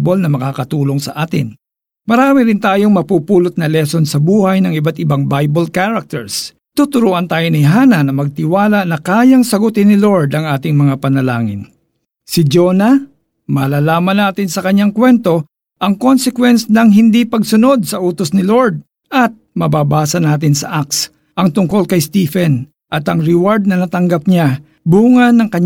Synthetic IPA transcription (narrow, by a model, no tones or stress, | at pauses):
bolnɐmɐkaːkɐt̪uːloŋsɐʔaːt̪ɪ̰n | mɐɾaːmɪɾɪnt̪aːjo̞ŋmɐpuːpuːlot̪̚nɐlɛsonsɐbuːhɐjnɐŋɪbat̪ɪbaŋbajbolkaɾɐk̚t̪ɛ̰ɹs | t̪ut̪ʊɾuːʔɐnt̪aːjonɪɦaːnɐnɐmɐɡ̚t̪ɪwaːlaʔnɐkaːjɐŋsɐɡʊt̪ɪnɪloɹd̪ɐŋʔaːt̪ɪŋmɐŋapɐnɐla̰ːŋɪ̰n | sɪd͡ʒoːnɐ | maːlaːlaːmɐnːaːt̪ɪnsɐkɐɲːaŋkwɛnt̪o̞ | ʔɐŋkonsɛkwɛnsnɐŋɦɪnd̪ipɐɡsʊno̞d̪̚sɐʔuːt̪osnɪloɹd̪̚ | ʔɐt̪̚mɐbaːbaːsɐnaːt̪̬ɪnsɐ̰ʔak̚s | ʔɐŋt̪ʊŋko̞lkɐjst̪iːfɛn | ʔɐt̪ɐŋɾɪwaɹd̪̚nɐnɐt̪ɐŋɡap̚ɲa | buːŋɐnːɐŋkɐɲ